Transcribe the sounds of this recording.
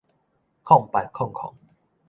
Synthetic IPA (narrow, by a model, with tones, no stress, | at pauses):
kʰɔ˥˨ŋpa˨˩nkʰɔ˥˨ŋkʰɔ̰˨˩˦ŋ